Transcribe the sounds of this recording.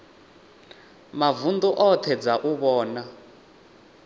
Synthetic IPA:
mavund̪uʔɔt̪ʰɛd͡zaʔuβɔːna

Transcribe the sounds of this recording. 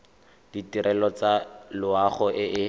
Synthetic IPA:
d̥itiɾʔɛlɔt͡salʊaχɔʔɪʔɪ

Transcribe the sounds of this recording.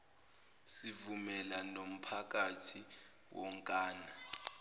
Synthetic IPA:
sivumɛlanom̩pʰak̬ʼatʰi | wʔɔŋkʼaːna

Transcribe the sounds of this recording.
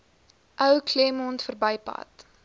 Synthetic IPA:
ʔəwklɛmɔntfərbəjpɐ̰t

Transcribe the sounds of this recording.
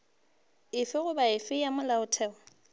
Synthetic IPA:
ɪfɪɣʊbaɪfɪjamʊlaʊtʰɛːɔ

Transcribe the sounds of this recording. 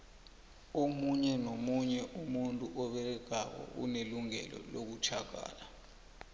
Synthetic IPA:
omuɲɛnomuɲɛʔumuntʼuʔɔɓɛlɛɡ̥ʱak̬ɔ̰ʔṵneluŋɛ̰lɔ̰lok̬ut͡ʃʰaɡ̥ʱa̰ːla

